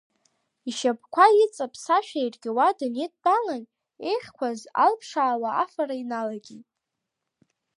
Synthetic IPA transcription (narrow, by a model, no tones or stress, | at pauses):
iʃapʰkʷait͡sʼapʰsaʃᶣajrɡʲɪwadaned̚dalan | e̞jχʲkʷaza̰lpʰʂaːwaa̰farainalaɡʲitʼ